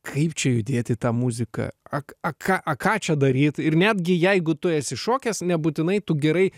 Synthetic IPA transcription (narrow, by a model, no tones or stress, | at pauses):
kʰɐɪpt͡ʃʲɛjʊd̪ʲeːt̪ʲɪt̪ɑːmuzʲɪkɐ̰ɐɐkɑːʔɐkɑːt͡ʃʲɛd̪ɐɾʲiːt̪ɪrnʲæːd̪ʲɡʲɪjɛɪɡʊt̪ʊɛsʲɪʃoːkʲɛsnʲɛbuːt̪ʲɪnɐɪt̪ʊɡʲɛɾɐɪ